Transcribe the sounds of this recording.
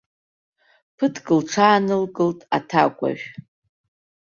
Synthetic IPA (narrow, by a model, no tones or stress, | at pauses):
pʰɨtʰɡʼɨlʈ͡ʂʰaːnɨlkʼɨltʼatʰakʷʼa̰ʒᶣ